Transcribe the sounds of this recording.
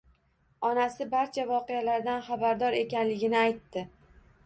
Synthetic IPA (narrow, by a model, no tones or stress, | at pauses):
ɒnasɪbaɾt͡ʃʰavɒqɨjalaɾd̪anχabaɾd̪ɒɾe̞kʲanlɪɡʲɪnɪajt̪ːɪ